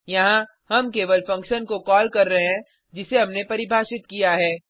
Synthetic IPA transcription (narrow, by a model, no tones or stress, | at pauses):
jɐɦã | ɦɐmkeːʋəlfɐ̃ŋkʃənkokɔːlkɐɾːɐɦɦɛ̃ | d͡ʒɪseɦɐmnepɐɾɪbʱaːʃɪt̪̚kijaɦɛː